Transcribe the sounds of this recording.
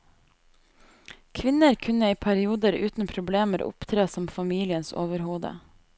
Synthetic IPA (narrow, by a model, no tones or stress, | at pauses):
kʰʋɪnəɾkʰʉnəiːpʰæɾɪuːd̪əɾʉːt̪n̩pʰɾʊbleːməɾʊ̰pt̪ʰɾeːsɔmfɑmiːlɪənso̰ːʋəɾhuːd̪ə̰